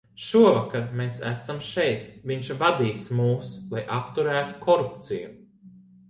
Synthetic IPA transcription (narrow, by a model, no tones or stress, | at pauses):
ʃuɔvakaɾmeːsæsamʃɛjt̪viɲʃvad̪iːsmuːslˠajʔapt̪uɾæːt̪u̥kʰɔɾupt̪siju